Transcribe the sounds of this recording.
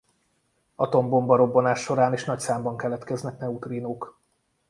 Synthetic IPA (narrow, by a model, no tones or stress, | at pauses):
ɒt̪o̞mbo̞mbɒɾo̞bːo̞naːʃːo̞ɾaːneːʃnɒcsaːmbɒŋkɛlɛt̪kɛznɛknɛut̪rinoːk